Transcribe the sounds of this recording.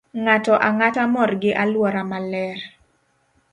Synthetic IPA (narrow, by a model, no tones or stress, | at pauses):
ŋatɔʔaŋatamɔrɡɪʔalwɔɾamalɛr